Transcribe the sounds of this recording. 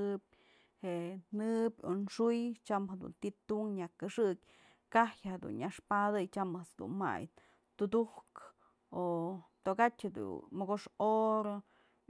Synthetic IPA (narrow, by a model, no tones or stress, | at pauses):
ɨb̚ʲ | heʔnɨbʲonʂujt͡ʃamhed̪ṵnt̪it̪uŋɲakɨʂɨk̚ʲ | kahjhed̪ṵnɲaʂpad̪ɨjt͡ʃamasd̪ṵnma̰j̪ | t̪ud̪uhk | ot̪okatʲhed̪ṵmoɡoʂoɾo